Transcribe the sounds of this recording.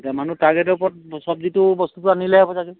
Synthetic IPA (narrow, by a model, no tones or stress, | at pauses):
damanutaɹɡɛtɔpɔt̚sɔbzitubɔst̪utʊanilɛɦɛbɔzaɡɛ